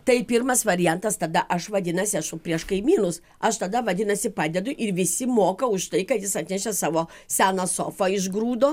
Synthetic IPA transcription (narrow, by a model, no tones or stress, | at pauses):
t̪ɐɪpʲiɾmɐsʋɐɾʲɪjɛnt̪ɐst̪ɐd̪ɐʔɐʃʋɐd̪ʲɪnɐsʲɪɐʃʊpʲɾʲiɛʃkɐɪmʲiːnʊs | ɐʃt̪ɐd̪ɐʋɐd̪ʲɪnɐsʲɪpɑːd̪ʲɛd̪ʊʔɪɾʋʲɪsʲɪmoːkɐʊʃt̪ɐɪkɐt̪jɪsɐt̪ʲnʲɛʃʲɛsɑːʋoːsʲæːnɐsoːfɐɪʒɡɾuːd̪oː